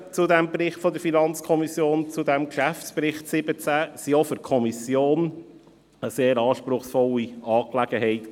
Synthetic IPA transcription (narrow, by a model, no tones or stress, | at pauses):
t͡sudɛmbrɪχtfɔd̪əɾfinɑnt͡skʰɔmisjoːnt͡sud̪æmkʃæftspɾɪχtsɪbət͡sæsiofɪɾkʰɔmisjoːn | əseːɾɑːʃpɾʊχsfɔliɑːklæɡəɦɛɪt